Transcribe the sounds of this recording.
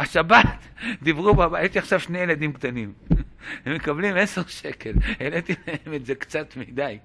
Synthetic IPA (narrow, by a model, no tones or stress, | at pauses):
haʃabat̪d̪ivʁubabajeʃtiaχʃavʃnejelad̪imkt̪animhemekablimeseʃekelelet̪imemetzekt͡sat̪mid̪aj